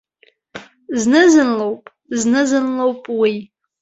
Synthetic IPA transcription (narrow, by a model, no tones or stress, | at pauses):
znɨzɨnlowpʼ | znɨzɨnlowpʼwi